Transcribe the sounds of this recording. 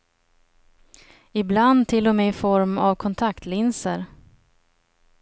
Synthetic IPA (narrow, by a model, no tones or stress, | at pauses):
ɪbland̪t̪ʰːɪlːɔmeːɪfɔɾmavkʰɔnt̪ʰakt̪lɪnsə̰ɾ